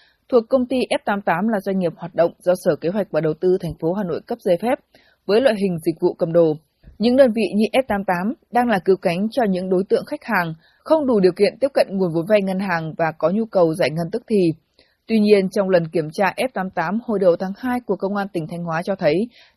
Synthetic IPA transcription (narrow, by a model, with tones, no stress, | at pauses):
t̪ʰu˨˩əkːə˧wŋ͡mt̪i˧ʔɛ˦˥p̚t̪aː˨˦mt̪aː˨˦mlaː˨˩zwa˧ŋ̟ŋi˨˩əp̚hwaː˨˩t̚ɗə̰˧˨wŋ͡mzɔ˧səː˧˩ke˨˦ɦwa˨˩k̚vaː˨˩ɗə˨˩wt̪ɨ˧t̪ʰɛ˨˩ŋ̟fo˨˦ɦaː˨˩no̰˧˨jkə˦˥p̚zəː˧˩jfɛ˦˥p̚ | vəː˨˦jlwa̰ː˧˨jɦï˨˩ŋ̟zï˨˩k̟̚vṵ˧˨kə̰˧˩mɗo˧˩ | ɲɨ̰˧˥ŋɗəː˧nvḭ˧˨ɲɨ˧ʔɛ˦˥p̚t̪aː˨˦mt̪aː˨˦mɗaː˧ŋlaː˨˩kɨ˨˦wka˨˦jŋ̟t͡ɕɔ˧ɲɨ̰˧˥ŋɗo˨˦jt̪ɨ̰˧˨əŋxa˦˥k̟̚haː˨˩ŋ | xə˧wŋ͡mɗu˧˩ɗi˨˩əwkḭ˧˨ənt̪i˦˥p̚kə̰˧˨nŋu˨˩ənvo˨˦nva˧jŋə˧nɦaː˨˩ŋvaː˨˩kɔ˨˦ɲu˧kə˨˩wzaː˧˩jŋə˧nt̪ɨ˦˥k̚t̪ʰi˨˩ | t̪wi˧ɲi˧ənt͡ɕɔ˧wŋ͡mlə˨˩nki˧˩əmt͡ɕaː˧ʔɛ˦˥p̚t̪aː˨˦mt̪aː˨˦mho˧˩jɗə˨˩wt̪ʰaː˨˦ŋhaː˧jku˧˩əkːə˧wŋ͡mʔaː˧nt̪ï˨˩ŋ̟t̪ʰa˧jŋ̟hwaː˨˦t͡ɕɔ˧t̪ʰə˨˦j